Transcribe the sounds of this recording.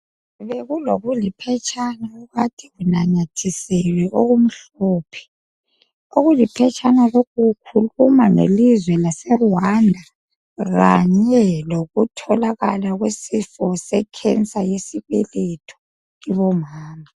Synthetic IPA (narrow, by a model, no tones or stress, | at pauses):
βeɣuloɣulipʰɛt͡ʃʰʼanauɣatʰiɣunaɲatʰisɛlwɛʔoɣum̩ɬ | oːpʰɛ̥ | oɣulipʰɛt͡ʃʼʰanalokʰukʰulumaŋḛlizwɛlasɛwwandʱa | ɣa̰ɲɛloɣutʰɔlaɣalaɣwesifɔsɛkʰɛnt͡sʼajesiβɛlɛtʰɔ̥ | iβɔmaːma